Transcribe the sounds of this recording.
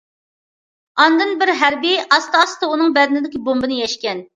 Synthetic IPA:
ɑnd̪ɨnbɪɾɦæɾbiɑst̪ɑɑst̪ɑunɨŋbɛd̪ɪnɪd̪ɪkʲibombɨnɨjɛʃkʲɛn

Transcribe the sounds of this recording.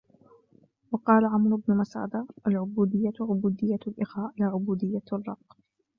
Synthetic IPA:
wɑqɑːlaʕamɾʊbnʊmasa̰ːd̪ɑʔalʕʊbuːd̪ɪjːaʕʊbuːd̪ɪjːalʔɪxaːʔlaːʕʊbuːd̪ɪjːarˤːɑqː

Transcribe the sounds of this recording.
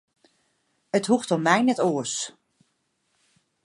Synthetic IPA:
əthuxtɔmːɛjnɛtoəs

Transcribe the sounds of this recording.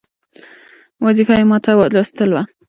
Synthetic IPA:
wazifajemɑt̪awad̪lost̪əlwa

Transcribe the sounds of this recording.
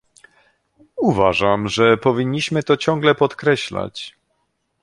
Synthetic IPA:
uvaʐamʐɛpɔvʲiɲːiɕmɘt̪ɔt͡ɕɔ̃ŋɡlɛpɔt̪kɾɛɕla̰t͡ɕ

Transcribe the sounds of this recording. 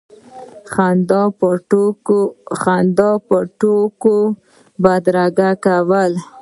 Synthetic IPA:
xand̪ | xand̪ɑpəʈoko | bad̪ɾaɡakawəl

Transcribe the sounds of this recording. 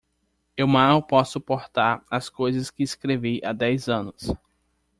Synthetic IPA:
ewmawpɔsʊpoɾt̪aɾɐskojzɐskɪːskɾeviʔad̪ɛjzɐ̃nʊs

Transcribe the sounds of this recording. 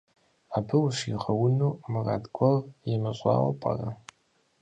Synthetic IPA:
aːbɨwɕiʁɐwʊnuːmɨraːdɡʷʰʼɐrjɛmɨɕʷʼɑ̰ːwɐ̰pʼɐ̰rɐ

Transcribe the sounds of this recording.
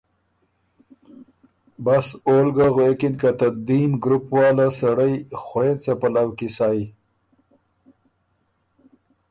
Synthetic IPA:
basolɡaɣwekɪnkat̪ad̪imɡɾupwɑːlasaɽəjxɾet͡sapalawkisɑːi

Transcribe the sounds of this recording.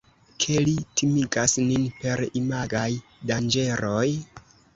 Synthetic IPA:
kʰe̞litʰimiɡasninpe̞ɾimaɡajdand͡ʒe̞ɾoj

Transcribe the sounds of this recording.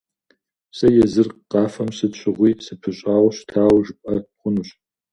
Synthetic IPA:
sɐjɛzɨrqɑːfɐmsɨtɕʷʰʼɪʁʷiːsɨpʰɨɕʼaːʁɕtʰaːwʒpʼɐχʷʊnɨɕ

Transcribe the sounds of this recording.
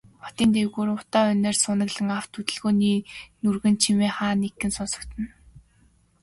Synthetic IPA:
pɔ̥t̪iːnt̪ewɣuːɾʊt̪aːʊneːrsʊnə̆ɣɮɘ̆ŋaw̥t̪ut̪ɘ̆ɮɣoːniːnurɣɘ̆nt͡ɕʰimeːχaːnekːɘ̆nsʊnsɞ̆kt̪ɘ̆n

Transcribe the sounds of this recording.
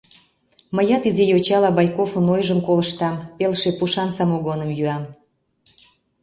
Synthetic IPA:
məjɑt̪izejot͡ɕɑlɑbɑjkofənojʒəmkoləʃt̪ɑmpelʃepuʃɑnsɑmoɣonəmjyɑm

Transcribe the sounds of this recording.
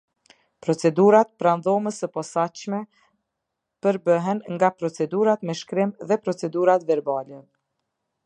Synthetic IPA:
pɾɔt͡sɛd̪uɾat̪̚pɾanðɔməsəpɔsaʃmɛ | pəɾbəɦɛnŋɡapɾɔt͡sɛd̪uɾat̪mɛʃkɾimðɛpɾɔt͡sɛd̪uɾat̪vɛɾbalɛ

